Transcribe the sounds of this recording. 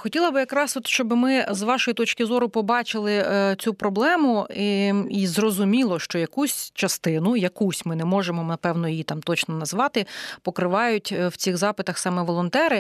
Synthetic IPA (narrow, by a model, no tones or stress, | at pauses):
xɔtʲilˠɐbɪjɐkɾɑsɔt̪ʃt͡ʃɔbɪmɪzʋɑʃɔjit̪ɔt͡ʃkɪzɔɾʊpɔbɑt͡ʃɪlˠɪt͡sʲupɾɔblˠɛmʊiizrɔzʊmʲilˠɔʃt͡ʃɔjɐkusʲt͡ʃɐst̪ɪnʊjɐkusʲmɪnɛmɔʒemɔnɐpɛwnɔjijit̪ɑmt̪ɔt͡ʃnɔnɐzʋɑt̪ɪpɔkɾɪʋɑjʊtʲwt͡sʲixzɑpɪt̪ɐxsɑmɛʋɔlˠɔnt̪ɛɾɪ